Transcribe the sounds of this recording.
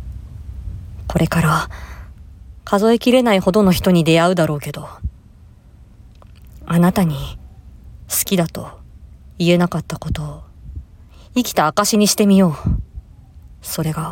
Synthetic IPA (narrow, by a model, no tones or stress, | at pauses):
ko̞ɾʔe̞kaɾa | kʰazo̞e̞kʲiɾe̞naiho̞d̪o̞no̞çi̥t̪o̞ɲ̟id̪e̞aɯ̟d̪aɾo̞ːke̞d̪o̞ | anat̪aɲ̟i | sɨ̥kʲid̪at̪o̞ | ie̞nakat̪ːako̞t̪o̞ | ikʲi̥t̪aːkaɕiɲ̟iɕi̥t̪e̞mʲijo̞ː | so̞ɾe̞ɡa